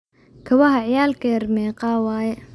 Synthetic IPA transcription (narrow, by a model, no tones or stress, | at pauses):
kʰɐwɐɦɐʕjaːlkʰɛrmɛːqɑːwaːjɛ